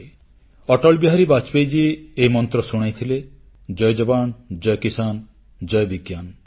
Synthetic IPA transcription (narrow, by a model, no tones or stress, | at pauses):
ɔʈɔlbiɦaɾibat͡ʃpejd͡ʒiːimɔnt̪ɾɔsuɽ̃ajt̪ʰile | d͡ʒɔjd͡ʒɔband͡ʒɔjkisan | d͡ʒɔjbiɡjan